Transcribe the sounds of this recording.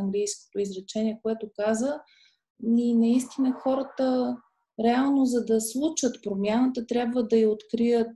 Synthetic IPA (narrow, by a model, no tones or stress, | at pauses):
ŋɡlijsko̥t̪oizɾɛt͡ʃɛniɛkoɛt̪okazə | ninɐist̪inəxɔɾət̪ə | ɾɛalˠnozɐd̪ɐslˠut͡ʃət̪pɾomʲjanət̪ət̪ɾʲjabvəd̪ɐiot̪kɾijət̪̚